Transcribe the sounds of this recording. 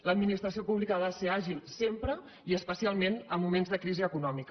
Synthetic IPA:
ləd̪minist̪ɾəs̬iopuβlikaðaseaʒilˠsempɾə | iəspəsialˠmenəmːumenzðəkɾiziəkunɔmikə

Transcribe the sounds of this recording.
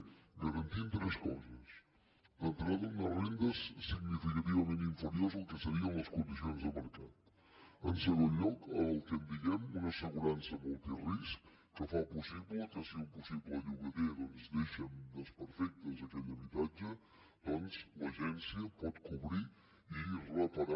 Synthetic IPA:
ɡəɾənt̪int̪ɾɛskɔzəs | ənt̪ɾaðunərend̪əsːiɡnifikət̪iβəmẽnt̪iɱfəɾiozəlˠkəsəɾiənləskund̪isionzðəməɾkat̪ | ənsəɣonʎɔkəlˠk̪ɛmb̪iɣɛmunəsəɣuɾansəmɔlˠt̪iriskː | əfapusiβləkəsiumpusiβləʎuɣəðeðonzd̪eʃənd̪əspəɾfɛk̚t̪əzəkɛʎəβit̪ad͡ʒə | d̪̥ɔnzləʒɛnsiəpɔt̪kuβɾi | irəpəɾa

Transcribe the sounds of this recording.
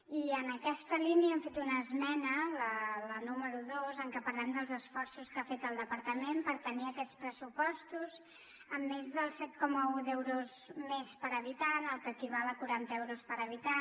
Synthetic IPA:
iənəkɛst̪əliniəɛmfet̪unəzmɛnələlənuməɾuðozəŋkəpəɾlɛmd̪əlˠzəsfɔrsuskafet̪əlˠd̪əpəɾt̪əmempəɾt̪əniəkɛt̪t͡spɾəsupɔst̪uz | əmːezðəlˠsɛt̪̚kɔməuðɛwɾuz | mespəɾəβit̪anəlˠkəkiβaləkuɾant̪əɛwɾuspəɾəβit̪a

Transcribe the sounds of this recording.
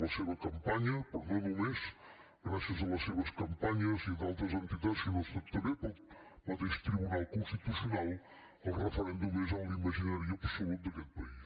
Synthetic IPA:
ɐseβɐkɐ̃mpaɲɐpɐɾðõðumeʃ | ɾaʃɐzɐlɐseβɐʃkɐ̃mpaɲɐziðalˠt̪ɾɐzẽnt̪iðaðʃkɨnɔ̃spɔðt̪ɐɾeɾpɔð | ɐðeʃt̪ɾiβunalˠkõʃt̪it̪usjunalˠ | ɐrəfɨɾẽnd̪umezawlimɐʒinaɾiɐpɾsumẽt̪d̪ɐkɛð̚pɐiʃ

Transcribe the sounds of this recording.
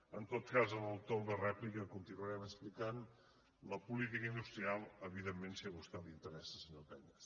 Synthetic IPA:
ənt̪ot̪kazələwt̪olˠðərɛplikəkunt̪inuəɾɛməsplikan | ləpulit̪̬ikəind̪ust̪ɾialˠəβiðemːensiaɣust̪ad̪int̪əɾɛssəɲopɛɲəs

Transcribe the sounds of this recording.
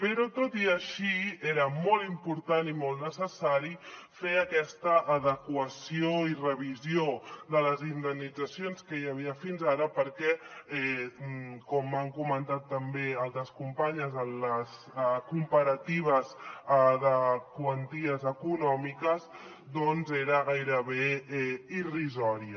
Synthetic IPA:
pəɾɔt̪ot̪iəʃieɾəmɔlˠimpuɾt̪animolˠt̪nəsəsaɾi | feəkɛst̪əʔːðəkwəsioirəβ̞izioðələzind̪əmnːid͡zəsionskəjəβ̞iəfinzaɾəpəɾkɛɛ | kɔmːaŋkumənt̪at̪ːəmbealˠt̪ɾəskumpaɲəzənləs | əkumpəɾət̪iβ̞əzəðəkwənt̪iəzəkunɔmikəz | d̪ɔnzeɾəɣajɾəβeɛirizɔɾiə

